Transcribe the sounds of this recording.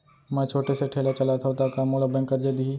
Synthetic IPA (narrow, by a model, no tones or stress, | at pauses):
mɛ̃ːt͡ʃʰoːʈeseʈʰeːlat͡ʃɐlat̪ʰat̪akamoːləbɛ̃ŋkːəɾd͡ʒed̪iɦi